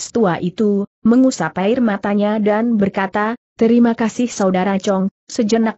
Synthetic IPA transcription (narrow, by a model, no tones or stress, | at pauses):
st̪uaʔit̪u | məŋusapaɪrmat̪aɲadanbərkat̪at̪əɾimakasɪhsaudaɾat͡ʃɔŋ | səd͡ʒənak̚